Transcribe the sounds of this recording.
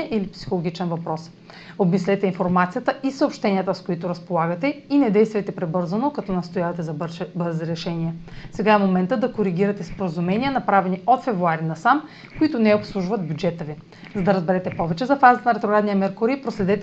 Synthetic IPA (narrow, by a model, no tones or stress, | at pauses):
ʔilipsi̥xolˠoɡ̟it͡ʃɛnvɐpɾɔs | obmislɛt̪ɛinfoɾmat̪sijət̪əʔisəopʃt̪ɛniət̪əskoit̪ʊɾɐspolˠaɡət̪ɛinɛd̪ɛjst̪vɐjt̪ɛpɾɛbɤɾzənokɐt̪ɔnɐst̪ojavɐt̪ɛzɐbbəɾziɾɛʃɛniɛsɛɡaɛmomɛnt̪əd̪ɐkoɾiɡʲiɾɐt̪ɛspoɾəzumɛnijənɐpɾavɛniʔot̪fɛvɾuaɾinɐsam | koit̪ʊnɛopslˠuʒvɐd̪̚bʲjud͡ʒɛt̪əvi | zɐd̪ɐɾəzbɛɾɛt̪ɛpɔvɛt͡ʃɛzɐfazət̪ənɐɾɛt̪ɾoɡɾad̪nijɐmɛɾkʊɾipɾoslɛd̪ɛt̪ɛ